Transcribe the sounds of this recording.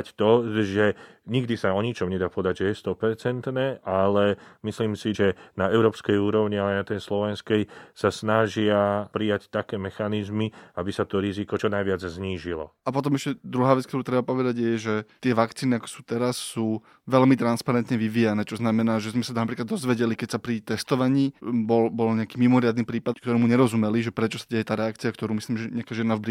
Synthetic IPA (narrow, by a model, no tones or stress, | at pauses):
ct̪ɔʒɛɲiɡd̪isaɔɲit͡ʃɔmɲɛd̪aːpɔʋɛd̪aɟʒɛjɛst̪ɔpɛɾt͡sɛnt̪nɛːʔalɛmisliːmsiʒɛnaɛʊɾɔːpskɛjuːɾɔʊɲialanat̪ɛjslɔʋɛnskɛjsasnaʒɪapɾijact̪akɛːmɛxanizmiabisat̪ɔɾizikɔt͡ʃɔnajʋɪad͡zzɲiːʒilɔ̰apɔt̪ɔmɛʃcɛd̪ɾuɦaːʋɛt͡skt̪ɔɾuːt̪ɾɛbapɔʋɛd̪aɟjɛʒɛt̪ɪɛʋakt͡siːniakɔ̥suːt̪ɛɾasːuː | ʋɛlmit̪ɾanspaɾɛnt̪ɲɛʋiʋiːjanɛːt͡ʃɔznamɛnaːʒɛzmɛsat̪napɾiːklad̪ːɔzʋɛɟɛlikɛcsapɾit̪ɛst̪ɔʋaɲiːbɔlbɔlɲɛakiːmimɔɾɪad̪niːpɾiːpad̪kt̪ɔɾɛːmuɲɛɾɔzumɛliʒɛpɾɛt͡ʃɔsaɟɛjɛt̪aːɾɛak̚t͡siakt̪ɔɾuːmisliːmʒɛɲɛakaʒɪɛnavbɾi